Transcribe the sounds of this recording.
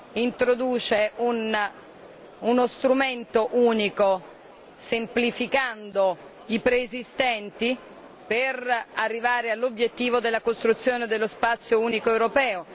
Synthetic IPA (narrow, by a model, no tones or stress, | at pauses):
int̪ɾod̪uːt͡ʃeʔun | unost̪ɾument̪oʔuːniko | semplifikand̪o | ipɾeːzist̪ɛnt̪i | perarːivaːɾealːobjet̪ːiːvod̪elːakost̪ɾut̪sːjoːned̪elːospat̪sːjouːnikoewɾopɛːo